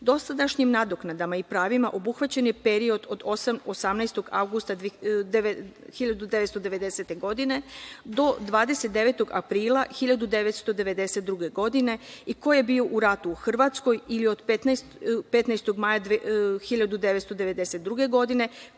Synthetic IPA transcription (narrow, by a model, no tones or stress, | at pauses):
d̪o̞sad̪aʃɲimnad̪o̞knad̪amaipɾaːʋimaʔo̞buxʋat͡ɕenje̞peɾio̞d̪o̞d̪o̞samo̞samnajst̪o̞ɡa̰wɡust̪ad̪ | xiʎad̪ud̪e̞ʋet̪st̪od̪e̞ʋe̞d̪e̞se̞t̪e̞ɡo̞d̪ine̞d̪o̞d̪ʋaːd̪eset̪̚d̪e̞ʋe̞t̪o̞ɡa̰pɾiːlˠaxiʎad̪ud̪e̞ʋet̪st̪o̞d̪e̞ʋe̞d̪e̞set̪̚d̪ɾuɡe̞ɡo̞d̪ine̞iko̞jebio̞ʔuɾat̪uːxr̩ʋat̪sko̞jilio̞d̪pet̪naspe̞t̪najst̪o̞ɡmajaxiʎad̪ud̪eʋet̪st̪od̪eʋe̞d̪eset̪̚d̪ɾuɡe̞ɡo̞d̪ine̞